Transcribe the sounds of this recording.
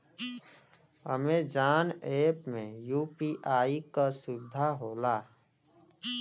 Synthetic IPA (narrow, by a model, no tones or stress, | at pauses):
ɦə̰med͡ʒaːneːpmẽjuːpiʔaːikasʊbɪd̪ʱaɦoːlaː